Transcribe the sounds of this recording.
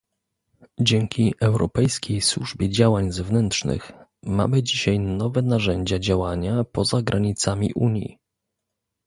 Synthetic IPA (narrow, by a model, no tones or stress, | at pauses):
d͡ʑɛŋkʲʰiʔɛwɾɔpɛjskʲejswuʐbʲjɛd͡ʑawaɲzɛvnɛnt̪ʂnɘ̰xma̰mɘd͡ʑiɕajnɔvɛnaʐɛɲd͡ʑad͡ʑawaɲapɔzaɡɾʔaɲit̪samʲḭʔuɲjḭ